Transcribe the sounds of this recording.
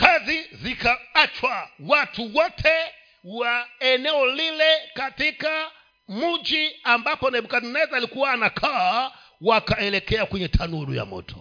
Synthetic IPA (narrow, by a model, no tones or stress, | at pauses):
kazizikaat͡ʃwawatuwɔtʰɛ | waɛnɛɔlilɛkatika | mud͡ʒiambapɔnaɛɓukazinɛzaːlikuwaːnakʰaː | wakaɛlɛkɛakwɛɲɛtʰanuuluja̰mɔ̰tʰɔ̥